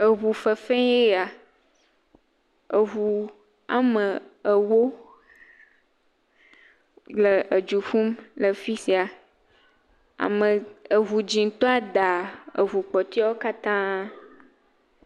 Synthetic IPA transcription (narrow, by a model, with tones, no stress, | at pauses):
ə˨ɦu˨fə˨fɛ̃˦je˦a˨ | ə˨ɦu˨ | a̰˨mə̃˨ə˨wo˦ | lə˨ə˨d͡ʒu˨fũ˦mlə˨fi˦si˨a˨ | a̰˨mə̃˨ə˨ɦu˨d͡ʒĩ˨ŋ˦t̪ɔ˦a˦d̪a˨ə̰˨ɦu˨k͡pɔ˨t̪i˦a˦wo˦ka˦t̪ã˦